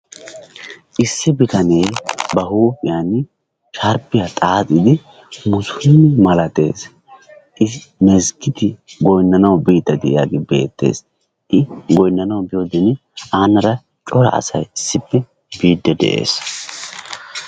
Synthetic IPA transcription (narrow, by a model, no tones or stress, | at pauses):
ʔɪsːɪbɪt̪ɐne̞ːbɐhuːpɪjanɪ | ʃɐɾpːɪjat̪ʼaːt̪ʼɪd̪ɪ | mʊsʊnːɪmɐlɐt̪e̞̰ːs | ʔɪmɛzɡɪt̪ɪɡɔjnːɐnɐwbiːd̪ːɐd̪ɛʔɪjaːɡɪbe̞̰ːt̪ːe̞̰ːs | ʔɪɡɔjnːɐnɐwbɪjoːd̪ɛn | aːnɐɾɐ | t͡ʃʼɔɾɐ̰ʔɐ̰sɐ̰jɪsːɪpːɛ | biːd̪ːɛd̪ɛ̰ʔḛːs